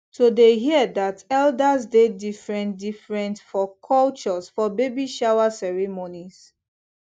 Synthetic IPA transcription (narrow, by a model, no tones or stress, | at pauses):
todeɦiədatɛldazdedifɹɛ̃ndifɹɛ̃ntfɔkʰɔlt͡ʃɔsfɔbebiʃawasɛɹɛmonis